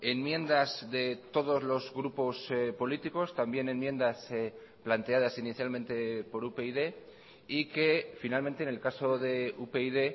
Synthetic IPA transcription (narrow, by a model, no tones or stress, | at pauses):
e̞nmjẽ̞nd̪azðe̞t̪o̞ð̞o̞zlo̞zɣɾupo̞spo̞lit̪iko̞st̪ambje̞ne̞nmje̞nd̪as | plant̪e̞að̞asiniθjalmẽ̞nt̪e̞po̞ɾupe̞iðe̞ | ike̞finalment̪eːne̞lkaso̞ðe̞upeiðe̞